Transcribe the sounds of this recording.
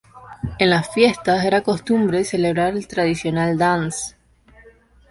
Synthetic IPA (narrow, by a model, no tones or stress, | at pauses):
enlasfje̞st̪ase̞ɾako̞st̪umbɾese̞leβɾaɾelt̪ɾaðisjo̞nald̪ans